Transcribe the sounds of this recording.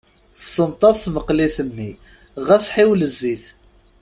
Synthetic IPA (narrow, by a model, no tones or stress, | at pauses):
θə̥sˤːənt̪ˤɑðˤθməqliθənːi | ʁæsħiwləzːiθ